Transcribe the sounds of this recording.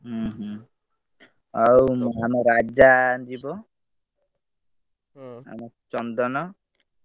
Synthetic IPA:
ɦuɦũ | əwmamaɾad͡ʒad͡ʒibɔ | a̰maɾt͡ʃɔnd̪ɔnɔ

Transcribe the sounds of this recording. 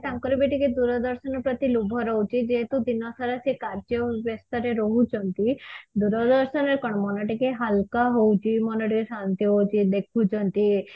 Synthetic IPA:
ʈaŋkɔɾibeʈiked̪uɾɔd̪ɔɾsɔnɔɾpɾɔt̪ilubʱːɔɾɔwt͡ʃʰid͡ʒeɦet̪ud̪inɔsaɾasekaɾd͡ʒɔbjɔst̪aɾeɾɔɦut͡ʃʰɔnt̪id̪uɾɔd̪ɔɾsɔnɔɾkɔɳɔmɔnɔʈikeɦalkaɦowt͡ʃʰimɔnɔʈikeʃant̪iɦowt͡ʃʰid̪ekʰut͡ʃʰɔnt̪i

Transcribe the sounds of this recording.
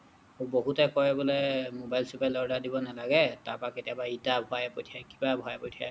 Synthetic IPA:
boɦutɛkɔɹɛbɔlɛmobajlsupalɔɹdadibɔnalaɡɛtaɹpaketijabaitabʱajpotʰijajki̥babʱajpojtʰia̰j

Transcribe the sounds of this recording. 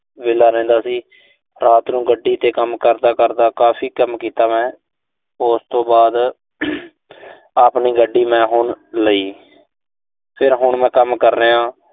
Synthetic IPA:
ʋɪlaːɾɛ̃ːnd̪aːsiː | ɾaːt̪nũːɡəɖːiːt̪eːkəmkəɾd̪aːkəɾd̪aːkaːfʰiːkəmkiːt̪aːmɛ̃ː | ʊst̪õːbaːd̪ | aːpɳiːɡəɖːiːmɛ̃ːɦʊɳləiː | pʰɪɾɦʊɳmɛ̃ːkəmkəɾːəːãː

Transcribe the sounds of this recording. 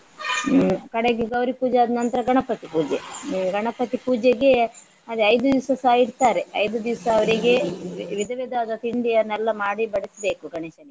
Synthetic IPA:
kɐɽeɡeɡɐwɾipuːd͡ʒeɐd̪ɐnɐnt̪ɐɾɐɡɐɳɐpɐt̪ipuːd͡ʒeɡɐɳɐpɐt̪ipuːd͡ʒeɡe | ɐd̪iɐjd̪ud̪iʋɐsɐsaːjiɽt̪aːɾeɐjd̪ud̪iʋɐsɐːʋɐɾiɡeʋid̪ɐʋed̪aːd̪ɐt̪iɳɖiɐɾnɛlːɐmaːɽibɐɽɐsɐbeːkuɡɐɳeʃɐni

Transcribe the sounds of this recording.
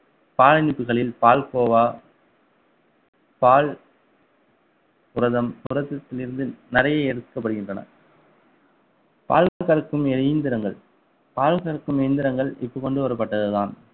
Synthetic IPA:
paːɻɐnɪpːɯɣɐɭɪlpaːlkoːʋaː | paːɭ | pʊɾɐðɐmpʊɾɐt̪ːɐt̪ːɪlɪɾɯnd̪ɯnɐɾɐjɐɛɽɯt̪ːɯ̥kːɐp̬ːɐɽɯɣɪndrɐnɐ̰ | pa̰ːlkɐkɐɾɐkːɯmɛjnd̪ɪɾɐŋɡɐɭ | paːlkɐɾɯkːɯmɛjnd̪ɪɾɐŋɡɐɭɪpːɯkɔɳɖɯʋɐɾɐpːɐʈːɐðɐðaːn

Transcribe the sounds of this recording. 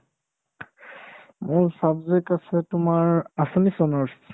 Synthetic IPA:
mʊɹsabzekasɛtʊmaɹasɔnisɔnɔɹs

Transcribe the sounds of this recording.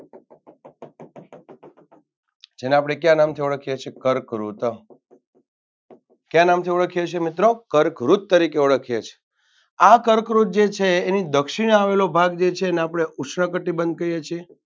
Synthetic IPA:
d͡ʒeneapɽ̃ekjãnamt̪ʰiəɭəkʰijet͡ʃʰekəɾkɾut̪ | kjãnamt̪ʰioɭəkʰijet͡ʃʰemɪt̪ɾokəɾkɾut̪ːəɾikeəɭəkʰijet͡ʃʰe̥ | akəɾkɾut̪̚d͡ʒet͡ʃʰeːnid̪əkʃiɽaʋelobʱaɡd͡ʒet͡ʃʰeːneapɽ̃eʔut͡ʃʰɳəkəʈːibənd̪̚kəjet͡ʃʰie

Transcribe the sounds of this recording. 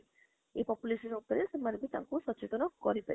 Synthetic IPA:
epɔpuleʃɔnut̪ːɔɾesemaɾbit̪a̰ŋkusɔt͡ʃet̪ɔnɔkɔɾipa̰

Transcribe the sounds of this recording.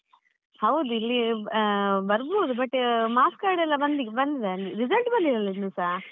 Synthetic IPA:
hɐwd̪uilːi | bɐɾboːd̪ubɐʈːmaːskaːɽɛlːɐbɐnd̪ibɐnd̪id̪eɐliɾid͡ʒɐlʈbɐlːiɾɐlid̪nuːsaː

